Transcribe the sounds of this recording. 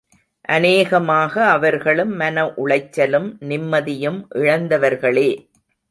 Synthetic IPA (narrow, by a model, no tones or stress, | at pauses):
ʔɐneːɣɐmaːɣɐːʋɐɾɣɐɭɯmːɐnɐʔʊɭɐɪt͡ʃːɐlɯmnɪmːɐðɪjɯmʔɪɻɐnd̪ɐʋɐɾɣɐɭeː